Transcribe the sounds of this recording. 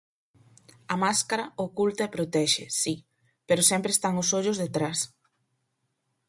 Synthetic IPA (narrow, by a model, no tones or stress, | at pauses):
ɐmaskaɾɐokult̪ɐepɾot̪ɛʃɪsi | peɾʊsɛmpɾeːst̪aŋʊsoʎʊzðet̪ɾas